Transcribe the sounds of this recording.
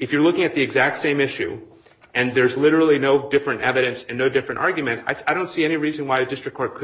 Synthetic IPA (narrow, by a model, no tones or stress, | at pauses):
ɨfjə˞lʊkɪ̃ŋɨt̪̚ðiɨɡzæk̚tsẽɪ̃mɪʃʉ̰ | ɨ̃nðə˞zlɪɾə˞l̩ˠinoʊdɪfɹɨ̃ntɛvɨɾɨ̃nsɨ̃nːoʊdɪfɹɨ̃ntʔɑɹɡjɨmɨ̃nta̰ɪaɪɾõʊ̃ntsiɛñiɹizɨ̃nwaɪɨdɪstɹ̥ɨkʰɔɹt̚kʰ